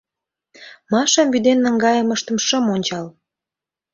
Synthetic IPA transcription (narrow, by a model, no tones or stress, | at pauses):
mɑʃɑmvyd̪enːə̆ŋɡɑjəməʃt̪ə̆mʃəmonʲt͡ɕɑl